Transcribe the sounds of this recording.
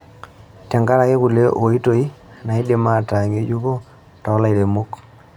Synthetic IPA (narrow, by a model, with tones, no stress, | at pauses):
tɛ˨ŋɡa˦ɾa˨ke˦ku˨le˦ʔo˨i˦to˦i˦ | na˨i˦de˨ma˦ta˨ŋe˦d͡ʒu˦ko˦ | tɔ˨˦la˦˨i˨ɾe˨mo˦k